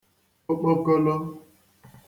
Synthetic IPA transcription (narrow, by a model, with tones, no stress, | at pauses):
o˦k͡po˦ko˦lo˦